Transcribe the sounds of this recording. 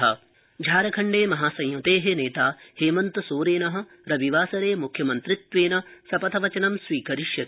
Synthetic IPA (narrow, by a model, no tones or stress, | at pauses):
ɦɐ̰̆ | d͡ʒʱaːɾɐkʰɐɳɖeːmɐɦaːsɐ̃jjɐt̪eːɦeneːt̪aːheːmɐnt̪ɐsoːɾeːnɐɦɐ̆ | ɾɐbiʋaːsɐɾeːmukʰjɐmɐnt̪ɾit̪ʋeːnɐsɐpɐt̪ʰɐʋɐt͡ʃɐnɐmsʋiːkɐɾiʂjɐt̪